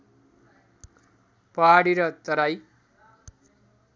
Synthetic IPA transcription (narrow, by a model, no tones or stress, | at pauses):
pʌɦaɽiɾʌt̪ʌɾaj